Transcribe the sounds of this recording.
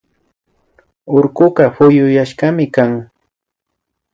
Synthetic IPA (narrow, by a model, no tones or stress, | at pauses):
oɾkʊɢɑfʊjʊjaʃɢɑmɪkaŋ